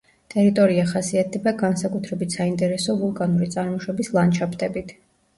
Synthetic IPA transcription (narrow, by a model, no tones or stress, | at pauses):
t̪ʼɛɾit̪ʼɔɾiaχasiat̪̚ʰɛbaɡansakʼut̪ʰɾɛbit̪ʰsaint̪ʼɛɾɛsɔvulˠkʼanuɾit̪sʼaɾmɔʃwɛbislˠant͡ʃʰapʰt̪ʼɛbit̪ʰ